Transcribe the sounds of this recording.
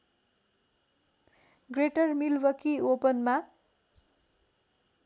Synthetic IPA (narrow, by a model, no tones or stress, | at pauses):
ɡreʈʌrmilwʌkiopʌnma